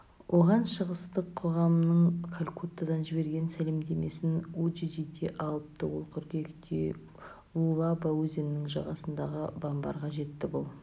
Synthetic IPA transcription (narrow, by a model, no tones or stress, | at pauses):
wʔo̞ʁɑnʃəʁəst̪əqʰːoʁɑmənəɴkʰalʲkʰut̪ːad̪ɑnʒɪbe̞ɾɡʲe̞nsæle̞md̪e̞me̞sɪnod͡ʒid̪id̪e̞ʔɑlˠəp̚t̪əwolˠqʰʏɾkʲekʲt̪ʰḛ | ulˠɑbawɵzennːɪŋʒɑ̰ʁɑsənd̪ɑʁəbambɑ̰ɾʁɑʒe̞t̪ːɪbʊlˠ